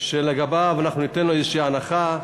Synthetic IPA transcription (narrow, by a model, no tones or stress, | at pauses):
ʃeleɡabavanaχnunit̪enloezeʃiːanaχa